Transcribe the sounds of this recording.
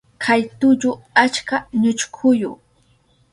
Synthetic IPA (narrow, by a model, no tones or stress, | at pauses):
kʰajt̪ʊʎʊ | at͡ʃkaɲʊt͡ʃkʰʊjʊ̰